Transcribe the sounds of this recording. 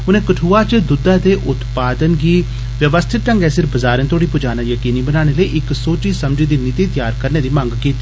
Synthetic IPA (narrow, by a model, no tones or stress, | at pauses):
ʊnẽːkəʈʰuːaːt͡ʃd̪ʊd̪ãːd̪eːʔʊt̪paːd̪ənɡiː | ʋjəʋəst̪ʰɪt̪ʈəŋɡɛːsɪɾbəzaːɾə̃nt̪ʰoːɽiːpʊd͡ʒaːnãjəkiːniːbənaːɽ̃eːləiʔɪksoːt͡ʃiːsəmd͡ʒiːd̪iːniːt̪eːt̪əjaːɾkəɾneːd̪iːmə̃ŋɡkiːt̪ːiː